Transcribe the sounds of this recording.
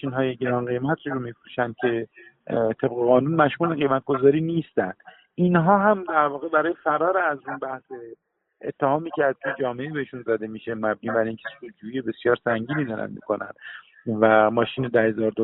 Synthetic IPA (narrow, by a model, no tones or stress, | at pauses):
ʃiːnɦɒːjeɟeɾɒːnɢejmæt̪ʰɾɾomifɾuːʃænd̪̚cʲʰe̞ | t̪ʰe̞bɣeɣɒːnunmæʃmuːleɣe̞jmæt̪̚ɡo̞zɒːɾiːniːst̪ænd̪̥ | inɦɒːɦæmd̪æɾvɒːɣe̞bæɾɒːjefæɾɒːɾeːzunbæhse | ḛt̪ʰːehɒːmiːcʰæɾd̪̚cʲʰe̞d͡ʒɒːmeʔebeheʃunzæd̪e̞miːʃemæb̚niːbæɾiŋcʲʰesod͡ʒuːijebe̞sjɒːɾsæŋɟiːnid̪ɒːɾæ̰nd̪̚mḭːkʰo̞næ̰nd̪̥ | væmɒːʃiːned̪æhe̞zɒːɾd̪o